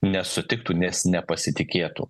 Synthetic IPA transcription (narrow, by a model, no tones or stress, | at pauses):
nʲɛsʊt̪ʲɪk̚t̪uːnʲɛsnʲɛpɐsʲɪt̪ʲɪkʲeːt̪ṵː